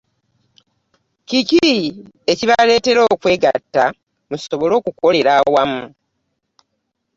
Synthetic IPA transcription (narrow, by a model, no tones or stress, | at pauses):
cici | eciβale̞ːte̞ɾo̞ːkwe̞ːɡa̰tːa | muso̞βo̞lo̞ːkuko̞le̞ɾawamu